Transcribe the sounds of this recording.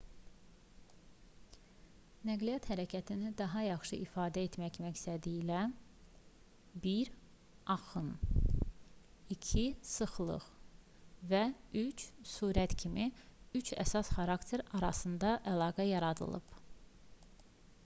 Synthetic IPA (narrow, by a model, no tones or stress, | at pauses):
næɡlijɑt̪hæɾæcʰæt̪ʰinid̪ɑɦɑjɑχʃɯʔifɑːd̪æet̪mæçmæçst̪æd̪iilæ | biɾ | ɑxɯn | icʰisɯχlˠɯ̰χ | væyt͡ʃsuːɾæt̪cʰimiyt͡ʃʰæ̰sɑsχɑɾɑkt̪ʰe̞ɾɑɾɑsɯnd̪ɑʔælˠɑːɡæjɑɾɑd̪ɯ̰lˠɯ̰b